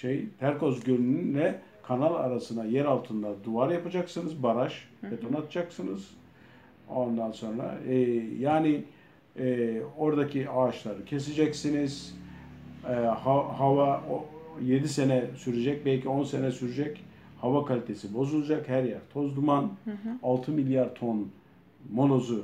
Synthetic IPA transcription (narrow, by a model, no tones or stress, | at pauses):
ʃejt̪ʰæɾko̞zɟønynynlɛ | kʰanalˠa̰ɾasɯnajæɾalˠt̪ʰɯnd̪ad̪uaɾjapad͡ʒaksɯnɯzbaɾaʃbet̪ʰo̞nat̪ʰad͡ʒaksɯnɯz̥ | o̞nd̪anso̞nɾa̰jaːni | o̞ɾd̪acʰiaːʃlˠaɾɯcʰe̞sed͡ʒɛcsiniz̥ | ɛhaɦava | je̞d̪isenɛsyɾed͡ʒɛc̚bɛlʲcʰio̞nsenɛsyɾyd͡ʒɛc | havakʰalʲit̪ʰe̞sibo̞zulˠad͡ʒakhæɾjæɾt̪ʰo̞zd̪umanalˠt̪ʰɯmilʲjaɾt̪ʰo̞n | mo̞lˠo̞zu